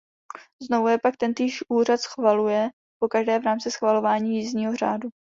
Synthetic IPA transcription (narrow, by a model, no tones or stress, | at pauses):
znovujɛpak̚t̪ɛnt̪iːʃʔuːrat̪sxvalujɛ | po̞kaʒdɛːvɾaːmt͡sɪsxvalo̞vaːɲiːjiːzɲiːɦo̞r̝aːdu